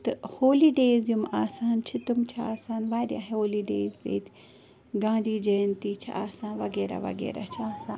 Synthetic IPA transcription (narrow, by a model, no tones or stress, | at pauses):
t̪ɨhoːliːɖeːzjimaːsaːnt͡ʃʰit̪umt͡ʃʰia̰ːsaːnʋaːɾʲja̰ɦeɦoːliːɖeːzḛːt̪ | ɡãːnd̪ʱiːd͡ʒeːnt̪iːt͡ʃʰḭʔaːsãːnʋɐɡeːɾa̰ʋɐ̰ɡḛːɾa̰t͡ʃʰiaːsaː